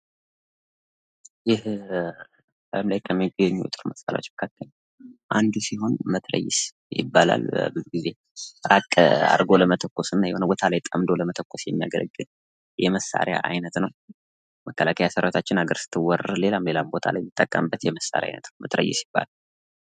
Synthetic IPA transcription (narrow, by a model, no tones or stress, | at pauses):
jɪh | əəmlajkʰəmːiɡəɲːut̪ʼɨɾməsalaot͡ʃːməkʰakːəl | ʔand̪usiɦo̞nmət̪ʰɾə̰jɪs | jɪ̰bːala̰lbəbɨzuɡize̞ | ɾakʼa̰ɾɡo̞ləmət̪ʰəkʷːosɨnːajɛhonəbo̞t̪ʰalajt̪ʼəmd̪o̞ləmət̪ʰəkʷːo̞sjɛmːija̰ɡələɡːɨn | jɛməsːa̰ɾja̰ʔajnət̪nəw | məkːəlakʰəjasəɾawot̪ʰat͡ʃːɪnhaɡəɾsɨ̥t̪ʰːɨwːɔrəle̞lamle̞lambo̞t̪ʰalajmɨt̪ʼːəkʼːəmbːət̪jɛməsːa̰ɾja̰jnə̰t̪nəwmʔət̪ɾə̰jːɪsjɪb̥ːa̰la